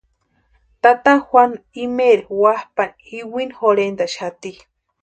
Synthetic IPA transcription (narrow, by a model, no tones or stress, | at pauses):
t̪at̪ahwʷanimeɾewahpan | iwinxoɾend̪aʃat̪i